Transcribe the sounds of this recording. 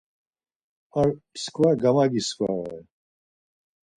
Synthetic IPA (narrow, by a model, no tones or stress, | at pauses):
aɾskʰvaɡamaɡiskʰa̰ɛ̰